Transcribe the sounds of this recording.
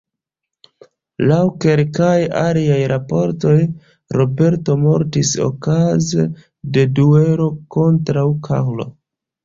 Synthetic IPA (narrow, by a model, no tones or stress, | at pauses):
lawke̞lkajaliajɾapo̞ɾto̞j | ɾo̞be̞ɾto̞mo̞ɾtiso̞̰kaze | de̞due̞ɾo̞ko̞ntɾawkʰa̰wlo̞̰